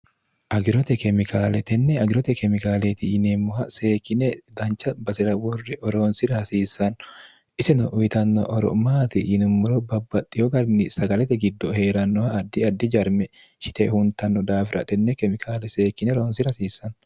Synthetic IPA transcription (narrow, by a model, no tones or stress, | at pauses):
ʔɐɡɪɾɔt̪ɛkɛmɪkʰaːlɛt̪ɛnːɛɐɡɪɾɔt̪ɛkɛmɪkaːlet̪ɪɪnemːʊhɐseːkːɪnɛd̪ɐnt͡ʃːɐbɐsɪɾɐwɔrːɪʔɔɾoːnsɪɾɐhɐsiːsːɐn | ʔɪsɛnɔʔʊjɪt̪ɐnːɔ̰ʔɔɾɔ̰maːt̪ɪʔɪnʊmːʊɾɔbɐbːɐt̪ʼːɪjɔɡɐɾnɪsɐɡɐlɛt̪ɛɡɪd̪ːɔhe̞ːɾɐnːɔhaːd̪ːɪɐd̪ːɪd͡ʒɐɾmɛ | ʃɪ̥t̪ɛhʊnt̪ɐnːɔd̪aːfɪɾʔɐ̰t̪ɛnːɛkɛmɪkʰaːlɛseːkːɪnɛɾoːnsɪɾɐsiːsːɐn